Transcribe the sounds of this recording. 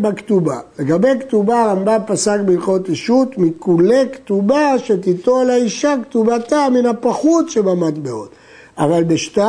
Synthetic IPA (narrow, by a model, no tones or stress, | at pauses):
bakt̪uba̰le̞ɡabe̞kt̪ubaʁambapasakbeiχo̞tiʃut̪mikulektubaʃet̪it̪olaiʃaktubat̪aminapaχutʃebamat̪beo̰t̪ | avalbeʃta